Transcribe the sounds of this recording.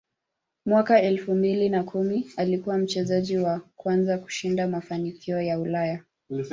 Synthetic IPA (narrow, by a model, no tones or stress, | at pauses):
mwakaɛlfumbilinakʰumialikuwam̩t͡ʃɛzaʄiwakwanzaku̥ʃindamafanikʰiɔjaulaja